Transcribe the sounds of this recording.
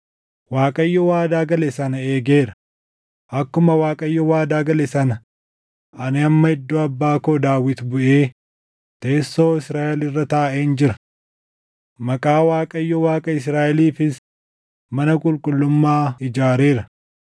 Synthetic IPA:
waːkʼɐjːɔwaːd̪aːɡɐlɛɪsɐnɐe̞ːɡeːɾɐ | ʔɐkːʊmɐwaːkʼɐjːɔwaːd̪aːɡɐlɛsɐnɐ | ɐnɪɐmːɐɪd̪ːoːɐbːaːkoːd̪aːwɪt̪bʊʔeː | t̪e̞ːsːo̞ːɪsɾaːʔɛlɪrːɐt̪aːʔeːnd͡ʒɪɾɐ̥ | mɐkʼaːwaːkʼɐjːɔwaːkʼɐɪsɾaːʔɛliːfɪs | mɐnɐkʼʊlkʼʊlːʊmːaːɪd͡ʒaːɾeːɾɐ

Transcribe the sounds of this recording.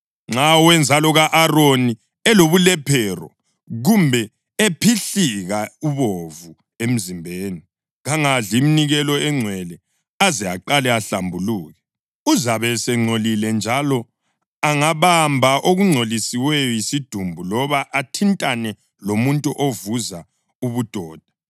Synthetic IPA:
ŋ͡ǁawɛnd͡zʱalɔɣaʔaroni | ɛloβulɛpʰɛrɔ̰ | ɣumbʱɛ | epʰiɬiɣauβovu | em̩zimbʱeːni | ɣaŋaɮiminiɣɛlɔɛŋ͡ǀʱwɛlɛ | azia̰ǃalɛaɬambʱuluːɣɛ | uzaβɛsɛŋ͡ǀʱolilɛnd͡ʒʱalɔ | aŋaβambʱaʔoɣuŋ͡ǀʱolisiwɛjɔjisid̥ʱumbʱulɔβaʔatʰintʼanɛ | lomuntʼuʔovuza | uβud̥ʱɔːd̥ʱḁ

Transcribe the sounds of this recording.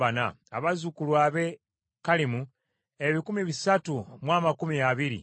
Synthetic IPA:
ana̰ | a̰βazukulwaːβe̞ | kalimu | eβikumiβisatumwaːmakumiaβiɾḭ

